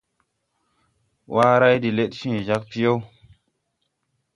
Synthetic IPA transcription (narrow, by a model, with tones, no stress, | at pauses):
wʔa˦ɾa˦jdi˨le˦t̚fĩː˦˨ʒa˦k̚pi˦jo˦w